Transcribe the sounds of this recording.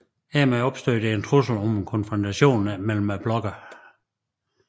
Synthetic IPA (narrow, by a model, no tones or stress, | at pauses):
hæɐmæɒ̽b̥sd̥ø̰ːd̥eent͡sʰʁusl̩ɒmkʰɔ̽nfʁɒnt͡sʰæɕo̝̰ːnmel̰m̩æb̥lɒ̽ɡ̥ɐ